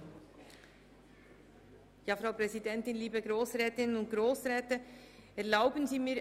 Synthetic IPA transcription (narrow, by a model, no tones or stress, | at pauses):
jaːfʁaʊpʁɛzidɛntɪnliːbəɡɾoːsʁɛːtɪnənʊnt̚ɡ̥ʁoːsʁɛːtəɛɐlaʊbənziːmiː